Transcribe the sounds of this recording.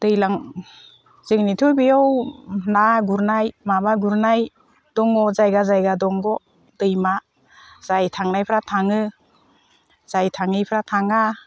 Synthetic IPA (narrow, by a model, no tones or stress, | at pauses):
d̥ɯjlaŋ | z̥ɯŋnitʰujbijɔwnaɡuɾnajmabaɡuɾnaj | d̥ɔŋɔzajɡazajɡadɔŋɡɔ | dɯjma | z̥ajtʰaŋnajpʰɾatʰaŋɯ | z̥ajtʰaŋɯjpʰɾatʰaŋa